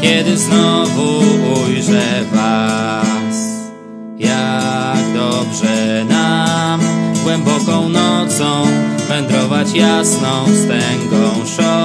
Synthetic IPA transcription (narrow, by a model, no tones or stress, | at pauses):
kʲɛd̪ɘznɔvuujʐɛva | s | jaɡd̪ɔbʐɛna | ɡwɛmbɔkɔ̃w̃nɔt̪sɔ̃w̃vɛnd̪ɾɔvat͡ɕjasnɔ̃w̃st̪ɛŋɡɔ̃w̃ʂɔ